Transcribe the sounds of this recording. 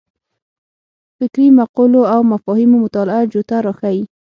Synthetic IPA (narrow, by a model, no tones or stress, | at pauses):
fɪkɾimaquloawmafɔhimomʊt̪ɑlɪad͡ʒot̪aɾɑxawi